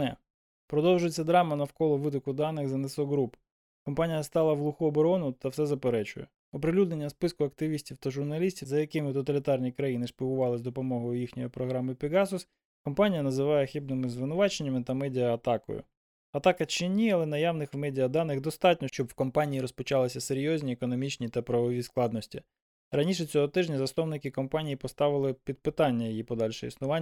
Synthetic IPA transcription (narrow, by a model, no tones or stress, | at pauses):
ɛ | pɾɔd̪ɔwʒʊjet͡sʲːɐd̪ɾɑmɐnɐwkɔlˠɔʋɪd̪ɔkʊd̪ɑnːɪxzɐnɪslˠɔɦɾup | kɔmpɑnʲijɐst̪ɑlˠɐʋlˠuxʊɔbɔɾɔnʊt̪ɐwsɛzɐpeɾɛt͡ʃʊjɛ̰ | ɔpɾɪlʲud̪ne̞nʲːɐspɪskʊɐk̚t̪ɪʋʲisʲtʲiwt̪ɐʒʊrnɐlʲisʲtʲizɐjɐkɪmɪt̪ɔt̪ɐlʲɪt̪ɑrnʲikɾɐjinɪʃpʲiɦʊʋɑlˠɪzʲd̪ɔpɔmɔɦɔjʊjixnʲɔjipɾɔɦɾɑmɪpʲiɡɑsʊs | kɔmpɑnʲijɐnɐzɪʋɑjɛxibnɪmɪzʋɪnʊʋɑt͡ʃenʲːɐmɪt̪ɐmɛdʲijɐːt̪ɑkɔ̰jʊ̰ | ɐt̪ɑkɐt͡ʃɪnʲiɐlˠɛnɐjɑʋnɪxwmɛdʲijɐd̪ɑnɪxd̪ɔst̪ɑtʲnʲɔʃt͡ʃɔbwkɔmpɑnʲiiɾɔspɔt͡ʃɑlˠɪsʲɐseɾʲjɔzʲnʲiekɔnɔmʲit͡ʃnʲit̪ɐpɾɐʋɔʋʲisklˠɑd̪nɔsʲtʲi | ɾɐnʲiʃ̬ɛt͡sʲɔɦɔt̪ɪʒnʲɐzɐst̪ɔwnɪkɪkɔmpɑnʲijipɔst̪ɑʋɪlˠɪpʲid̪̚pɪt̪ɑnʲːɐjijipɔd̪ɑlʲʃɛ̰ḭsnʊʋɑnʲ